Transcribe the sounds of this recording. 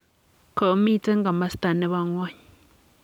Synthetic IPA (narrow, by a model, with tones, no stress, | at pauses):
ka˨ʔo˦mi˦˨t͡sʼe˦ŋɡa˨ma˦st̪a˨ne˦βa˦ŋwa˦ɲ